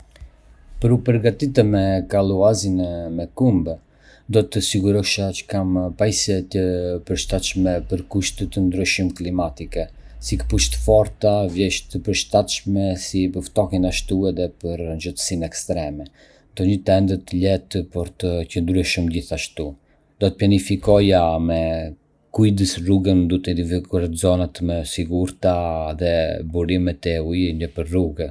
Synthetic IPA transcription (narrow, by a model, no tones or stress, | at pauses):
pəɾupəɾɡat̪it̪̬əmɛkalˠuazinɛmɛkumb | d̪ɔt̪əsiɡuɾɔʃat͡ʃə̥kampaisɛt̪əpəɾʃt̪at̪ʃmɛpəɾkuʃt̪ət̪ənd̪ɾyʃimklimat̪ikɛ | sikə̥puʃt̪əfɔɾt̪avjɛʃt̪əpəɾʃt̪at̪ʃmɛsipəɾft̪ɔhinaʃt̪uɛðɛpəɾnd͡ʒət̪ə̥sinɛkst̪ɾɛmɛ | nd̪ɔɲət̪ɛnd̪ət̪əʎɛt̪pɔɾt̪əcənd̪ɾuɛʃumɟiθaʃt̪u | d̪ɔt̪əpjanifikɔjamɛ | kujd̪əsruɡənd̪ut̪ɛifikuɛɾt̪zɔnat̪mɛsiɡuɾt̪aðɛbuɾimɛt̪ɛujɲəpəɾruɡɛ